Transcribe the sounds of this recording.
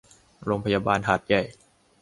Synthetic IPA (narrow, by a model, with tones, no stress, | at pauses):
ɾoː˧ŋpʰa˧jaː˧baː˧nɦaː˨˩t̪̚ja˨˩j